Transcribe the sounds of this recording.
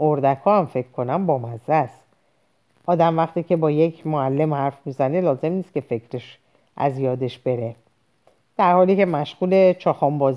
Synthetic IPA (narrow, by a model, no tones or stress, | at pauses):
ʔoɾd̪ækʰɒːæmfe̞kʰkʰːo̞næmbɒːmæzæs | ʔɒːd̪æmvæxt̪iːcʰe̞bɒːje̞cʰmoælːe̞mhæɾfmiːzæne̞lɒːze̞mniːst̪kʲcʰe̞fe̞cʰɾe̞ʃ | ʔæ̰zjɒːd̪e̞ʃb̥e̞ɾe̞ | d̪̥æɾhɒːliːce̞mæʃɣ̥uːle̞t͡ʃʰɒːxɒːmbɒːz